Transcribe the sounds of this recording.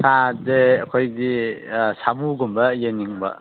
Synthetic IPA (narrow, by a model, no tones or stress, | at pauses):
sadeɐkʰojdisamuɡumbɐjeniŋbɐ̰